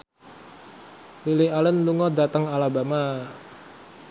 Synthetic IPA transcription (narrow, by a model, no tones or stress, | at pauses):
lilɪalɛnluŋɔdat̪əŋalabama